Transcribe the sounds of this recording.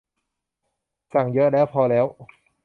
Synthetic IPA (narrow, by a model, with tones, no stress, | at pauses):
sa˨˩ŋjɤ˦˥ʔlɛː˦˥wpʰɔː˧lɛː˦˥w